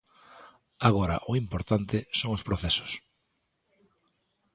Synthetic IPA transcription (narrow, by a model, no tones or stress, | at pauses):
aɣ̞oɾa̰ʔʊimpoɾt̪ant̪ɪsoŋʊspɾoθɛsʊ̥s